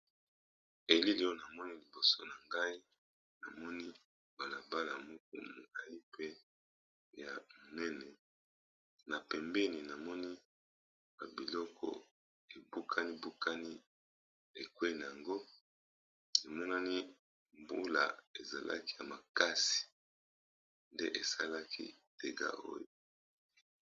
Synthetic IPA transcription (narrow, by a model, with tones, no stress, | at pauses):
e˨li˦li˦o˦na˨mɔ˦ni˦li˨bo˨so˦na˨ŋɡa˦i˦ | na̰˨mɔ˦ni˦ | ba˨la˨ba˦la˨mo˦k̚ṵ˨mo˨la˦˨i˦pe˦ | ja˨mo˨nɛ˦nɛ˨ | na˨pɛ˨mbɛ˦ni˨na˨mɔ˦ni˦ | ba˨bi˨lɔ˦kʰɔ̰˨ | e˨bu˦kʰa˦ni˦bu˦kʰa˦ni˦ | e˨kwe˦˨na˨ja˨ŋɡo˦ | na˨mɔ˦na˦ni˦ | mbu˦la̰˨e˨za̰˨lʔa̰˦ki˦ja˨ma˨ka˦si̥˨ | nde˦ʔe˨sa̰˦la˦kḭ˦te˨ɡa̰˦ʔo̰˦jo˨